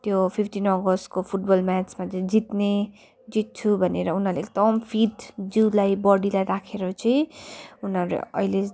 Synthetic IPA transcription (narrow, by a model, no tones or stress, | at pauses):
t̪jopʰipʰʈinʌɡʌskopʰuʈ̚bʌlmat͡smat͡sʌĩd͡zit̪ne | d͡zit̪̚t͡sʰubʱʌneɾʌunɦʌɾleekd̪ʌmpʰiʈd͡ziwlajbʌɽilajɾakʰeɾʌt͡sʌĩunʌɾḛʌ̰jle